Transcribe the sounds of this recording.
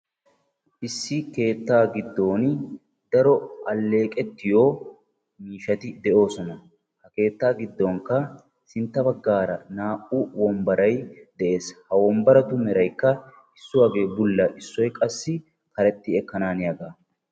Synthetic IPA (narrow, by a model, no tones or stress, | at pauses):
ʔɪsːɪke̞ːt̪ːaːɡɪd̪ːo̞ːn | d̪̥ɐɾɔʔɐlːe̞ːkʼɛt̪ːɪjo̞ː | miːʃɐt̪ɪd̪ɛʔo̞ːsɔnɐ | hɐke̞ːt̪ːaːɡɪd̪ːo̞ːŋkːɐ | sɪnt̪ːɐbɐɡːaːɾɐnaːʔʊwɔmbɐɾɐjd̪̥ɛʔe̞ːshɐwɔmbɐɾɐt̪ʊmɛɾɐjkːɐ | ɪsːʊwaːɡe̞ːbʊlːɐʔɪsːɔjkʼɐsːɪ | kɐɾɛt̪ːɪɛkːɐnaːnɪjɐɡaː